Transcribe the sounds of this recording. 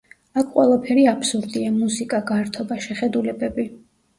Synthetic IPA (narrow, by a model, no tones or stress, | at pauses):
akʰqʼwɛlˠapʰɛɾiapsuɾd̪iamusikʼaɡaɾt̪ʰɔbaʃɛχɛd̪ulɛbɛbi